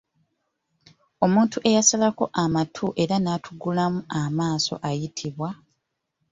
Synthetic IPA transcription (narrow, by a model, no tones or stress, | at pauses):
o̞muːntuʔe̞jasalako̞ʔamatʰuʔe̞ɾanatʰuɡulamuamaːso̞̰ʔajitʰiβwa